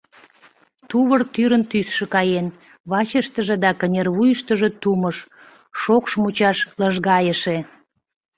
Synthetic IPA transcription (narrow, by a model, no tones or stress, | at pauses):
t̪uβərt̪yɾənt̪ysʃĕkɑjen | βɑt͡ɕəʃt̪əʒĕd̪ɑkənʲerβujəʃt̪əʒet̪uməʃ | ʃokʃmut͡ɕɑʃləʒɣɑjəʃe